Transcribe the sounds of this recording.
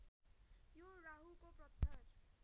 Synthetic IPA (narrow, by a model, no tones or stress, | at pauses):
joɾaɦukopɾʌt̪ʰːʌɾ